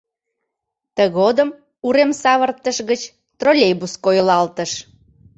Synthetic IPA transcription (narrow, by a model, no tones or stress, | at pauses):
t̪əɣod̪əm | uɾemsɑβərt̪əʃɣət͡ɕ | t̪rolʲejbuskojlɑlt̪əʃ